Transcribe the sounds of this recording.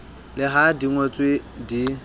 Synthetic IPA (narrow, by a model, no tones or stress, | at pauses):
lɪɦadiŋwet͡sʼwedi